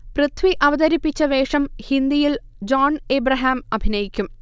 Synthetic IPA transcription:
prɐt̪ʰʋiʔɐʋɐd̪ɐɾipːit͡ɕːɐʋe̞ːʂɐmhind̪ijil | d͡ʑaːneːbrɐɦaːmɐbʱinɐjikʲːum

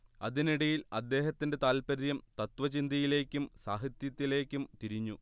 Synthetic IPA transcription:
ɐðiniɽɐjilɐd̪ːe̞ːhɐt̪ːinde̞t̪aːlpɐɾjɐmt̪ɐt̪ʋɐt͡ɕind̪ɐjile̞ːkʲːumsaːɦit̪jɐt̪ːile̞ːkʲːumt̪iɾiɲːu

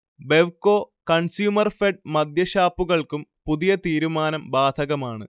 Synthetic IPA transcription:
be̞ʋkoːkɐɳsjuːmɐrfeɖ̚mɐd̪ʱjɐɕaːpːuɣɐɭkumpuðijɐt̪iːɾumaːnɐmbaːd̪ʱɐɣɐmaːɳɨ

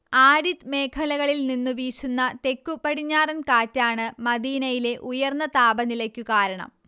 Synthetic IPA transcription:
aːɾit̪me̞ːkʰɐlɐɣɐɭilninːuʋiːɕunːɐt̪e̞kːupːɐɽiɲːaːrɐnkaːtːaːɳɨmɐd̪iːnɐjile̞ʔujɐrnːɐt̪aːbɐnilɐkʲːukaːɾɐɳɐ̰m

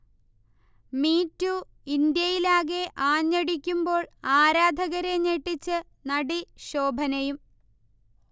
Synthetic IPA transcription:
miːtːu | ind̪jɐjilaːɣe̞ʔaːɲːɐɽikʲːumbo̞ːɭaːɾaːd̪ʱɐɣɐɾeɲeʈːit͡ɕːɨ | nɐɽiɕoːbʱɐnɐjum

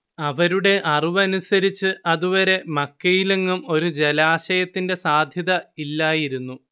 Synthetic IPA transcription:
ɐʋɐɾuɽe̞ʔɐriʋɐnusɐɾit͡ɕːɨʔɐðuʋɐɾe̞mɐkːɐjilɐŋːumo̞ɾud͡ʑe̞laːɕɐjɐt̪ːinde̞saːd̪ʱjɐðɐilːaːjiɾunːu

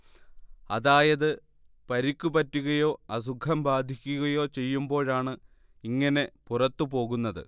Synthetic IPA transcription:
ɐðaːjɐðɨ | pɐɾikʲːupɐtːuɣɐjo̞ːɐs̬ukʰːɐmbaːd̪ʱikʲːuɣɐjo̞ːt͡ɕe̞jːumbo̞ːɻaːɳɨ | iŋːɐne̞purɐt̪ːupo̞ːɣunːɐðɨ̰

